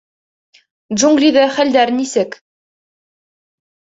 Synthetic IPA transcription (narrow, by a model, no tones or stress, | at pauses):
dʒuŋɡlʲiðæχæld̪æɾnisɘk